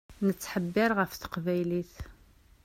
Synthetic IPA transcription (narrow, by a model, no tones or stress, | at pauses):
nət͡sːħəbːɪɾʁəfθə̥qvæjliθ